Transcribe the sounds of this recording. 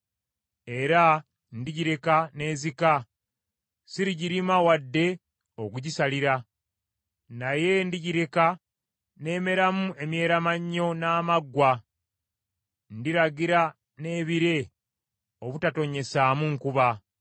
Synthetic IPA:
e̞ɾa | ndiɟiɾe̞kane̞ːzika | siɾiɟiɾimawadːe̞ | o̞kuɟisaliɾa | naje̞ndiɟiɾe̞ka | ne̞ːme̞ɾamue̞mje̞ːɾamaɲːo̞naːmaɡwa | ndiɾaɡiɾa | ne̞ːβiɾe̞ | o̞βutato̞ɲe̞saːmuŋkuβa

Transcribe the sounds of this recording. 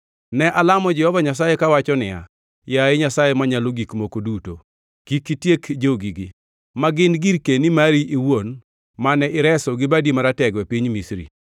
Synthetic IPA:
nɛʔalamɔd͡ʒɛhɔvaɲasajekawat͡ʃɔnɪa̰ | jaeɲasajemaɲaloɡikmokoduto | kikːitjekd͡ʒoɡiɡi | maɡɪnɡiɾkenimaɾiʔiwon | manɛʔɪɾɛsɔɡɪbadimaɾatɛɡwɛpiɲmisɾḭ

